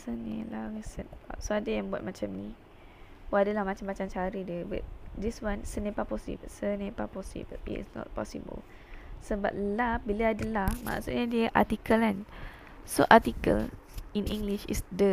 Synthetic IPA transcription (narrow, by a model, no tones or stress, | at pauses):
sənḛ̃laɹisɛt̚a̰soadajãŋbuwat̚mat͡ʃamni | oadalahmat͡ʃamːat͡ʃaŋt͡ʃaɾidiəba̰t̚diswãnsənẽpapɔsḭb̰sənepapɔsḭbə̰ḭtsnɔ̰t̚pɔ̰sḭbə̰l | səba̰p̚labiləadalahma̰ʔsut̚ɲədiəʔa̰t̪ikəlan | soʔatikə̰l | ĩnʔĩŋɡliʃḭsdə